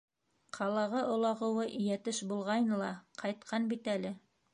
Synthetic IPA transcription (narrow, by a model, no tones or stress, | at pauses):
qʰɑlˠɑʁɤʔŏlˠɑʁɤ̆wɤʔjæt̪ɘʃbulˠʁɑjnɤlˠɑqʰɑjt̪̚qʰɑnbit̪ælɘ